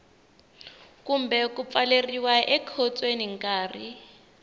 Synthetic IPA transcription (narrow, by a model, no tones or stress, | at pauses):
kum̩bɛkup̪faleriwaʔɛkʰɔt͡sʼweniŋ̩kʼaːri